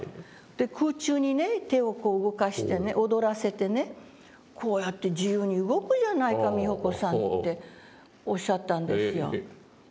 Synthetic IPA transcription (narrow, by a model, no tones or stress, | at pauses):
d̪̥e̞kʰɯːt͡ɕɨːɲ̟ine̞t̪e̞o̞ko̞ːɯ̟ɡo̞kaɕi̥t̪e̞ne̞ʔo̞d̪o̞ɾase̞t̪e̞ne̞ | kʰo̞ːjat̪ːe̞d͡ʑijɯːɲ̟iɯɡo̞kɯ̟ʑanaikamʲiho̞ko̞sãnnt̪ːe̞ | o̞ɕːat̪ːãnd̪e̞sɨjo̞̰